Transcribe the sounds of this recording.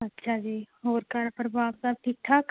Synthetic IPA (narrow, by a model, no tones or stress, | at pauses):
ɐtːʃʰad͡ʒiːɦoːɾkaɾpəɾbaːpsab̚ʈʰik̚ʈʰak